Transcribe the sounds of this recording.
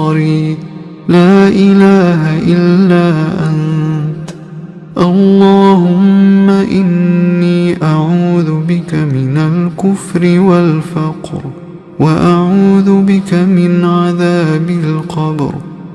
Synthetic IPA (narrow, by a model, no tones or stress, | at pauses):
ɾiː | laːʔɪlaːɦaʔɪlːaːʔant̪ | ʔɑlːɑːhʊmːaʔɪnːiːʔaʕuːðʊbɪkamɪnalkʊfɾɪwalfɑqɾ | waʔaʕuːðʊbɪkamɪnʕaðaːbɪlqɑb̰ɾ